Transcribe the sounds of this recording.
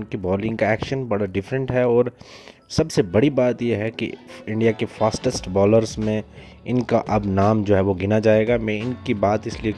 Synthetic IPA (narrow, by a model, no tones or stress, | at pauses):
nkibɔːlɪ̃ŋɡkaɛːkʃənbɐɽaɖɪfɾə̃ɳʈɦɛɔːɾ | sɐbsebɐɽibaːt̪jeɦɛkḭɪ̃ɳɖijakefaːsʈəsʈbɔːləɾzmẽ | ɪnkaʔɐbnaːmd͡ʒoːɦɛʋoɡɪnad͡ʒaːeːɡamɛ̃ɪnkibaːt̪ɪslie